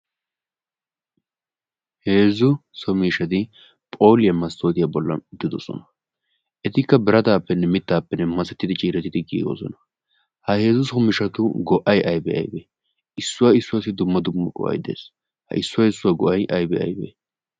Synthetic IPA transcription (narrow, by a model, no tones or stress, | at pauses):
he̞ːzːʊsɔmiːʃɐt̪ɪ | pʼo̞ːlɪjɐmɐst̪ʰo̞ːt̪ɪjabɔlːɐ̰d̪ɪd̪ɔsɔ̰nɐ̥ | ʔɛt̪ɪkːɐbɪɾɐt̪aːpːɛnːɛmɪt̪ːaːpːɛnːɛmɐsɛt̪ːɪd̪ɪt͡ʃʼiːɾɛt̪ːɪd̪ɪɡḭːɡo̰ːsɔ̰nɐ̥ | hɐhe̞ːzʊsɔmɪʃɐt̪ʊɡɔʔɐjʔɐjbɛɐ̰jbḛ | ɪsːʊwaːɪsːʊwaːsɪd̪ʊmːɐd̪ʊmːɐkʼɔ̰ʔɐ̰jd̪ḛːs | hɐ̰ɪsːʊwaːɪsːʊwaːɡɔʔɐjʔɐjbɛɐ̰jbḛː